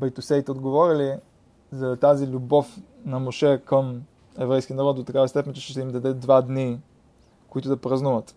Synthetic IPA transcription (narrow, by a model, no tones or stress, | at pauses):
bɐjt̪usɛit̪ɛod̪ɡovɔɾili | zɐt̪azilʲubɔf | nɐmoʃɛkəm | ɛvɾɛjskʲinɐɾɔt̪̚d̪ot̪ɐkavɐst̪ɛpɛnʲt̪ʃt͡ʃɛʃt̪ɛimd̪ɐd̪ɛd̪vad̪ni | koit̪ʊd̪ɐpɾɐznuvət̪